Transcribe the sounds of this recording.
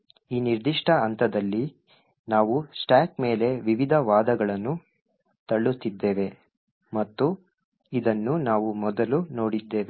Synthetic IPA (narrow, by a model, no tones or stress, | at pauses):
iːniɾd̪iʂʈɐːnt̪ʰɐd̪ɐlːi | naːʋusʈaːkme̞ːle̞ʋiʋid̪ʱɐʋaːd̪ɐɡɐɭɐnːu | t̪ɐɭːut̪ːid̪ːe̞ːʋe̞ | mɐt̪ːu | id̪ɐnːunaːʋumɔd̪ɐlunoːɽid̪ːeːʋe